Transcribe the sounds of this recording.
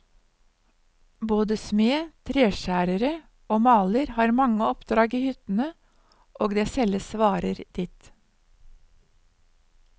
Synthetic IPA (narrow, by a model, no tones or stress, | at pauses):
boːd̪əsmeːt̪ʰɾeːʃæːɾəɾə | oːmɑːləɾhɑːɾmɑŋəɔpd̪ɾɑːɡiːhʏt̪n̩ə | ʔoːɡd̪eːsɛləsʋɑːɾəɾd̪̥ɪt̪